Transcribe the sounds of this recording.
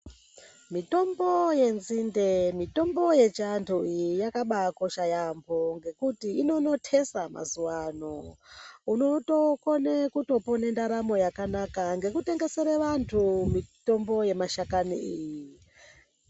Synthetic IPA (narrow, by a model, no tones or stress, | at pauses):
mito̞mboje̞nzindemito̞mbo̞je̞t͡ʃantʰuijijakaɓako̞ʃajambʱo̞ŋɡe̞kutiːno̞no̞tʰe̞sama̰zuwano | uno̞to̞konekuto̞pone̞ndaɾamo̞jakanakaŋɡe̞kute̞ŋɡe̞se̞ɾeʋantʰumito̞mbo̞je̞maʃakaniiji